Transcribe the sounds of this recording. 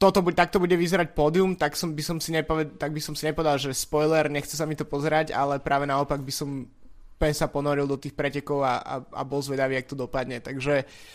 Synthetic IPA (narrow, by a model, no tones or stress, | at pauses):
t̪ɔt̪ɔbut̪ak̚t̪ɔbuɟɛʋizɛɾacpɔːd̪iumt̪aksɔmbisɔmsiɲɛpɔʋɛt̪aɡ̚bisɔmsiɲɛpɔʋɛd̪alˠʒɛspɔjlɛɾɲɛxt͡sɛs̬amit̪ɔpɔzɛɾaɟa̰lɛpɾaːʋɛnaɔpaɡ̚bisɔm | pɛɲsapɔnɔɾilˠd̪ɔt̪iːxpɾɛcɛkɔʊaʔa̰a̰bɔlzʋɛd̪aʋiːak̚t̪ɔd̪ɔpad̪ɲɛt̪aɡʒɛ